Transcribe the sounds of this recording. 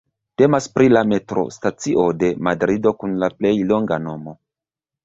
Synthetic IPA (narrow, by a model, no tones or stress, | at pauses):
te̞maspɾilame̞tɾo̞̰stat͡siʔo̞de̞madɾido̞kunlaple̞jlo̞ŋɡano̞mo̞